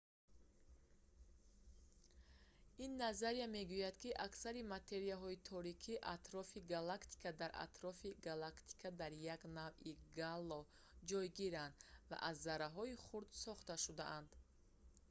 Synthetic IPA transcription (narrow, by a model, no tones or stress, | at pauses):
inːazaɾijame̞ɡujad̪kiʔaksaɾimat̪ʰe̞ɾijaɦɔit̪ʰɔɾikʰiʔat̪ɾɔfiɡalakt̪ʰi̥kʰad̪aɾa̰t̪ɾɔfiɡalakt̪ʰi̥kʰad̪aɾjaɡnaviɡalːɔ | d͡ʒɔjɡiɾand̪va̰ʔazːaɾaɦɔiχuɾd̪sɔχt̪aʃud̪aʔand̪